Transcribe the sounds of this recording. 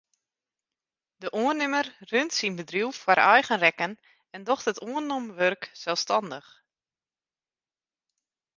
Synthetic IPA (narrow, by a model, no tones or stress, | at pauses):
dəʔuənɪmərrøntsinbədriwfwaɾʔɛjɣənrɛkən | ɛndɔxtətʰuənɔmʋørksɛlˠstɑndəx